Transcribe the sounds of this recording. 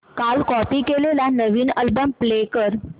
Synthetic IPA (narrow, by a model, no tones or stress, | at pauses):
kalkɔpiːkelelanəʋiːnəlbəmplekəɾ